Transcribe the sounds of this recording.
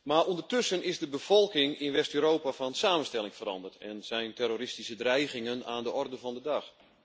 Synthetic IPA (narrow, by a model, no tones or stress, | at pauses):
maːrʔondərtøsənɪzdəbəv̥ɔlˠkɪŋɪnʋɛstøːɾoːpafɔnsaːmənstɛlɪŋfəɾɑ̰ndərtʰɛ̰nz̥ɛjntɛɾoɾɪstisədrɛjɣɪŋənaːndəɔrdəvɔndədɑx